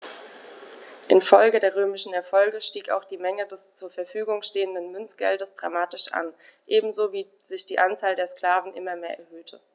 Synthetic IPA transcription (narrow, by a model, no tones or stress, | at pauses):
ʔɪnfɔlɡədeːɐʁ̞øːmɪʃn̩ɛɐfɔlɡəʃtiːka̰ʊxd̥iːmɛŋədɛst͡suːɐfɛɐfyːɡʊŋʃteːəndənmʏnt͡sɡ̥ɛ̰ldəsd̥ʁa̰maːtɪʃʔa̰n | ʔeːbm̩zoːviː | zɪçd̥iːʔant͡saːldeːɐskl̥aːvn̩ʔɪmɐmeːɐʔɛ̰ɐhøːtʰə̰